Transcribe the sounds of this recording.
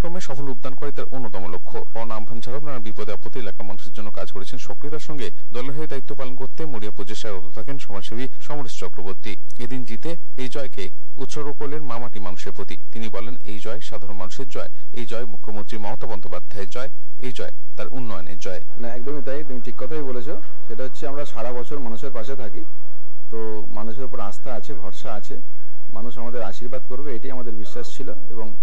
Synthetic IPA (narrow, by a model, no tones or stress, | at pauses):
kɾomeʃɔfolub̪̚d̪ankoɾet̪aɾʔonːot̪ɔmolokʰːopɔnambʱand͡ʑʰʱaɾobnanabipod̪eapot̪ːielakamanuʃeɾd͡ʑonːoka̰d͡ʑkoɾet͡ɕʰenʃokɾit̪aɾʃɔŋɡe | d̪ɔleɾɦeeɾd̪ait̪ːopalonkoɾt̪emoɽiapɾod͡ʑeʃaeɾɔt̪ot̪ʰakenʃɔmaʃobʱiʃɔmoɾist͡ɕɔkɾoboɾt̪i | ed̪ind͡ʑit̪e | ejd͡ʑɔeke | ut̪ʃɔɾbokoɾleɾmamaʈimanuʃeɾpɾot̪it̪inibɔlenejd͡ʑɔeʃad̪ʱaɾonmanuʃeɾd͡ʑɔe | ejd͡ʑɔemukʰːomont̪ɾimɔmot̪abɔnd̪opad̪ʱːaeɾd͡ʑɔe | ejd͡ʑɔe | t̪aɾʔunːɔo̰nḛɾd͡ʑɔe | naɛk̚d̪omit̪ajt̪umiʈʰikːɔt̪ʰajbolet͡ɕʰo | ʃeʈaɦotːʰeamɾaʃaɽabɔt͡ɕʰoɾmanuʃeɾpaʃet̪ʰaki | t̪o | manuʃ̬eɾopoɾast̪ʰaat͡ɕʰebʱɔɾʃaat͡ɕʰe | manuʃamad̪eɾaʃiɾbad̪koɾbeejʈijamad̪eɾbiʃːaʃt͡ɕʰilo | ḛboŋ